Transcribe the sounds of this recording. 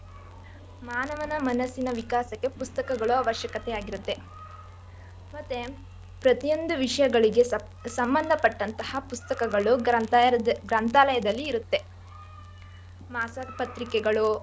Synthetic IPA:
maːnɐʋɐnɐmɐnɐsinɐʋikaːsɐkːe̞pust̪ɐkɐɡɐɭuaʋɐʃjɐkɐt̪ɛjaːɡiɾut̪ːe̞ | mɐt̪ːe | pɾɐt̪ijo̞nd̪uʋiʂɐjɐɡɐɭiɡe̞ | sɐmbɐnd̪ʱɐpɐʈːɐnt̪ɐhɐpust̪ɐkɐɡɐɭuɐɡɾɐnt̪aːlɐjɐd̪ɐlːiːɾut̪ːe̞ | maːsɐpɐt̪ɾikɛɡɐɭu

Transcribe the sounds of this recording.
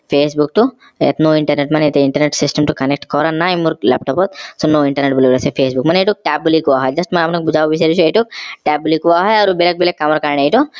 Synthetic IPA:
fʰeːsbuk̚ʈu | ḛt̪noːiɳʈɐɾneʈmɐnet̪eiɳʈɐɾneʈsisʈɐmʈukɐnek̚ʈkɔːɾanːaːimuɾklɛ̰ːp̚ʈɔpot̪̚soːnoːiɳʈɐɾneʈ̚buliʋɾɐsefʰeːsbukmɐnɐjʈuk̚ʈaːbulikuʋaːɦɐd͡ʒɐsʈmɐɐpnɐkbud͡ʒaːʋɐbiseɾit͡ʃuɐjʈuk̚ʈɛːbulikuʋaːɦajɐɾubelek̚belekːɐmɐɾkaːɾɳɐjʈu

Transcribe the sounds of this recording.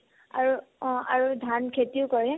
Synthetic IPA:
a̰ɹũa̰ɹudʱankʰetiʊkɔɹiɦɛ

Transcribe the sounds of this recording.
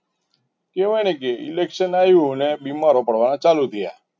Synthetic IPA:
keʋanek̬eḭlekʃənajũnebimaɾopəɽʋanat͡ʃalut̪ʰəja̰

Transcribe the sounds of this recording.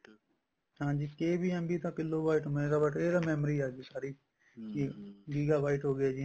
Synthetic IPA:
hãːd͡ʒiːkeːbiːɛ̃mbiːt̪ãːkɪlːoːbaːiːʈmeːɾaːbaːʈeːɾaːmɛːmɾiːaːd͡ʒiːsaːɾiː | ɡiːɡaːbaːɪʈɦoːɡɪaːd͡ʒiː

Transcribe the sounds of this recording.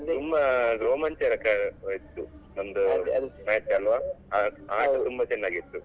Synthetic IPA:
umbɐɾoːmɐnt͡ʃɛɾɐkajit̪ːunɐnd̪unaːit̪ːiɐlʋaːaaːɐt̪umbɐt͡ʃɛnːaːɡit̪ːu

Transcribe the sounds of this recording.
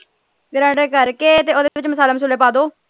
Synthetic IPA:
ɡɾãːɖeːkəɾkeːt̪eːoːd̪eːʋɪt͡ʃməsaːleːməs̬uːleːpaːd̪oː

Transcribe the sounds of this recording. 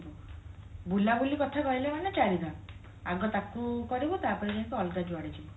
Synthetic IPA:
bu | bulabulikɔt̪ʰakɔɦilemanet͡ʃaɾid̪a | aɡɔt̪akukɔɾibut̪apɔɾid͡ʒaĩkuɔlʈad͡ʒaɽit͡ʃʰi

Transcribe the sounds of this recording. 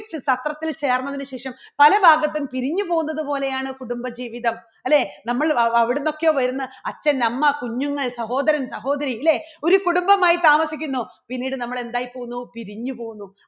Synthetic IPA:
t͡ɕːɨsɐt̪rɐt̪ːilt͡ɕe̞ːrnːɐðinɨɕeːʂɐmpɐlɐbʱaːɡɐt̪ːumpiɾiɲːupo̞ːɣunːɐðɨpo̞ːle̞jaːɳɨkuɽumbɐd͡ʑiːʋiðɐm | ɐlːeːnɐmːɐɭɐɐʋiɽenːo̞kːejoːʋɐɾunːɨɐt͡ɕːɐnɐmːɐkuɲːuŋːɐɭsɐɦo̞ːd̪ɐɾɐnsɐɦo̞ːd̪ɐɾiilːe̞o̞ɾukuɽumbɐmaːjit̪aːmɐsikʲːunːupinːiːɽɨnɐmːɐɭe̞nd̪aːjipːoːɣunːupiɾiɲːupo̞ːɣunːu

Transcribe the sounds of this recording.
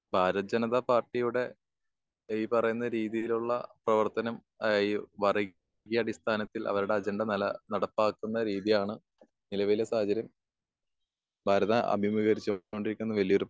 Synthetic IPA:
bʱaːɾɐd͡ʑɐnɐðɐpaːrʈːijuɽe̞ | pɐrɐjunːɐɾiːðijiluɭːɐ̰prɐʋɐrt̪ɐnɐm | ɐjʋɐri | ɡijɐɽist̪ʰaːnɐt̪ːilʔɐ̰ʋɐɾuɽe̞ɐd͡ʑeɳɖɐnɐlɐnɐɽɐpːaːkːunːɐɾiːðijaːɳɨ | nilɐʋɐilesaːhɐd͡ʑɐɾjɐm | bʱaːɾɐðɐʔɐ̰bʱimuɣɐɾit͡ɕːuo̞ɳɖiɾikʲːunːɐʋɐlijo̞ɾup

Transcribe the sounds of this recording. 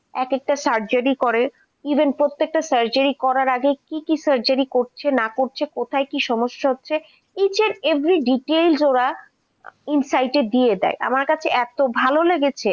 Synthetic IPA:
ɛkek̚ʈasaɾd͡ʑaɾikɔɾe | ibʱenpɾot̪ːek̚ʈasaɾd͡ʑaɾikɔɾaɾaɡekikisaɾd͡ʑaɾikoɾt͡ɕʰenakoɾt͡ɕʰekot̪ʰaekiʃɔmoʃːaɦotːɕʰe | it͡ɕʰeɾevɾiɖiʈelsoɾa | insajʈed̪ied̪ɛ̰eʔa̰maɾkat͡ɕʰeʔɛt̪obʱaloleɡet͡ɕʰe

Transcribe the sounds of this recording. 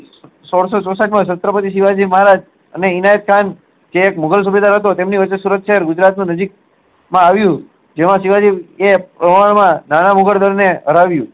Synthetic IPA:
sɔɽsosɔsaʈmãsət̪ɾəpət̪iʃiʋad͡ʒiməɦaɾad͡ʒ | əneinajət̪̚kʰan | d͡ʒeːkmʊɡəls̬ubed̪aɾɦət̪̬ot̪emniʋət͡ʃːesuɾət̪ʃəɦɛɾɡʊd͡ʒɾat̪nũnəd͡ʒik̚ | mãaʋjũ | d͡ʒemãʃiʋad͡ʒiʋepɾəʋaɳmãnanamʊɡəɽd̪əɾineɦəɾaʋjũ

